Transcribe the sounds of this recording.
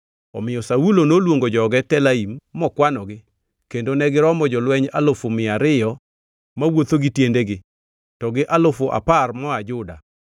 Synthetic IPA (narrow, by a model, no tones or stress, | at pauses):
ɔ̰mɪjɔsaulonolwoŋɡod͡ʒɔɡɛtɛlaimːɔkwanɔɡɪ | kendonɛɡɪɾɔmɔd͡ʒɔlwɛɲalofomɪaɾɪjɔ | mawot̪oɡɪtjendeɡɪ | tɔɡɪʔalofoʔa̰parmɔad͡ʒʊda